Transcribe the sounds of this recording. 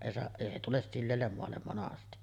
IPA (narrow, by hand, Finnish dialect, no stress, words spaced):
eˑi se eˑi se tules silːeːlːem moɑlːem monɑsti